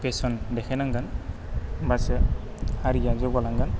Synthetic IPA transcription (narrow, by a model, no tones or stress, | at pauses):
pesɔndɛkʰɛnaŋɡan | basɛ | haɾijad͡ʒɔɡɔlaŋɡan